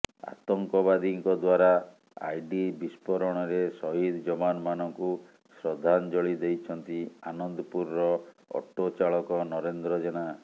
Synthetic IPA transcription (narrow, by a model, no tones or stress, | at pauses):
a̰t̪ɔŋkɔbad̪iŋkɔd̪waɾa | a̰jɖibispɔɾɔɽ̃ɔɾesɔɦid̪d͡ʒɔbanmanɔŋku | sɾɔd̪ʱand͡ʒɔɭid̪ejt͡ʃʰɔnt̪ianɔnd̪ɔpuɾːɔ | ɔ̰ʈːot͡ʃaɭɔkɔnɔɾend̪ɾɔd͡ʒena